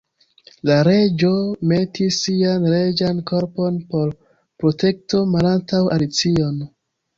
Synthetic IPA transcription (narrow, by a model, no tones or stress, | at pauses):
laɾe̞d͡ʒo̞me̞tisːianɾe̞d͡ʒanko̞ɾpo̞npo̞ɾ | pɾo̞te̞k̚to̞malantawalit͡sio̞n